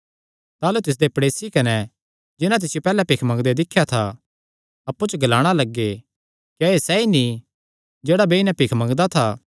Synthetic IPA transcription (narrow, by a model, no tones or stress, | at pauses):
t̪aːlut̪ɪs̬d̪epɐɽeːsikɐnɛ | d͡ʒɪnat̪̬ɪsɪjopɛːlɛpɪkʰmɐ̃ŋɡd̪ed̪ɪkʰːjat̪ʰa̰ | ɐpːut͡ʃəɡɐlaːɽ̃alɐɡːe | kijaesɛini | d͡ʒeːɽabeɪnɛ̃pɪkʰmɐ̃ŋɡd̪at̪ʰaː